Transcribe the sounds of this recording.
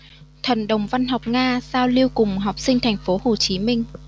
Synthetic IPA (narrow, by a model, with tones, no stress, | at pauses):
t̪ʰə˨˩nɗə˨˩wŋ͡mva˧nɦɔ˨˩wk͡p̚ŋaː˧zaː˧wli˧əwkʊ˨˩ŋ͡mɦa˨˩wk͡p̚sï˧ŋ̟t̪ʰa˨˩jŋ̟fo˨˦ho˨˩t͡ɕi˨˦mï˧ŋ̟